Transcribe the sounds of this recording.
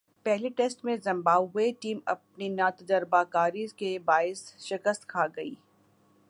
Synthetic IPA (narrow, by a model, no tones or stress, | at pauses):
pɛɦliʈɛːsʈmẽzɐ̃mbaːʋɦʊeʈiːmɐ̰p̚ninat̪ɐd͡ʒəɾbakaːɾikebaːɪsʃɪkəst̪kʰaːɡɐḭː